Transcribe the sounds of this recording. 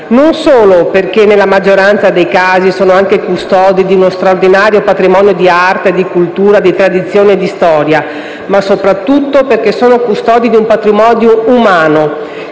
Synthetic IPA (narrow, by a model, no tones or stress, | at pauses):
nonsoːloperkenelːamad͡ʒːoɾant̪sad̪ejkaːzisoːnoaŋkekust̪ɔːd̪id̪iunost̪ɾaord̪inaːɾjopat̪ɾimɔːnjod̪iart̪ed̪ikult̪uːɾad̪it̪ɾad̪it̪sːjoːneːd̪ist̪ɔːɾja | masopɾat̪ːut̪ːoperk̟esːoːnokust̪ɔːd̪id̪iumpat̪ɾimɔːd̪joumaːno